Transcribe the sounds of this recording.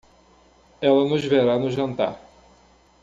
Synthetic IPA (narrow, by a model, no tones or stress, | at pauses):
ɛlɐnʊʒveɾanʊʒɐ̃nt̪a̰